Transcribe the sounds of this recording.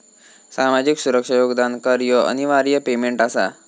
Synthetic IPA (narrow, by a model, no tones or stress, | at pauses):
samad͡ʑiksuɾəkʂajoɡd̪ankəɾjəə̰niʋaɾjəpemeɳʈasa̰